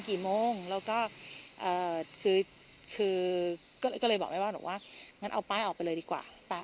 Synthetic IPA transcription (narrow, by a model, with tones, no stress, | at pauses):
kiː˨˩moː˧ŋlɛː˦˥wkɔː˥˩ʔɤː˨˩kʰɯː˧ | kʰɯː˧ | kɔː˥˩˧kɔː˥˩lɤː˧jbɔː˨˩k̚ma˥˩waː˥˩bɔ̰˨˩waː˥˩ŋa˦˥nʔa̰˧wpaː˧˥jʔɔː˨˩pa˧jlɤː˧jdiː˧kwa̰ː˨˩pa˧˩